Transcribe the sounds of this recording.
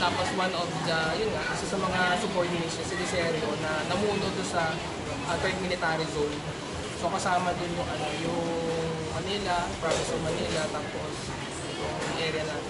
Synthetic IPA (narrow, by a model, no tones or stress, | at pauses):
t̪aːposwanʔovd̪ɐjʊnŋɐkɐsɛsɐmɐŋasʊpoɹmɪmɪsosɪd̪ɪsɛːɾʔonɐnɐmuːnod̪ʊnsɐ | ʔɐt̪ɛɹt̪mɪlɪt̪aːɾɪzon | sokɐsaːmɐd̪ɪnmʊŋʔɐnojʊŋŋ | mɐniːlɐpɹamɪsɐlmɐniːlɐt̪aːpos | jʊŋʔɛːɾjɐnɐ